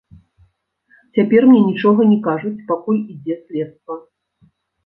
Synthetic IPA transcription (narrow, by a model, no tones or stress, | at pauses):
t͡sʲapʲɛrmnʲɛnʲit͡ʂɔɣɐnʲikaʐut͡sʲpakulʲid͡zʲɛsʲlʲɛt̪st̪vɐ